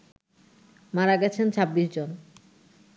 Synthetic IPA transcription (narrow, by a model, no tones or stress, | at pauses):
maɾaɡɛt͡ɕʰent͡ɕʰabːiʃd͡ʑon